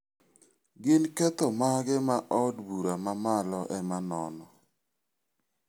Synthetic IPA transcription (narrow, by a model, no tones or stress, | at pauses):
ɡɪnkɛt̪ɔmaɡɛmaʔɔdbuɾamamalɔʔɛmanɔ̰nɔ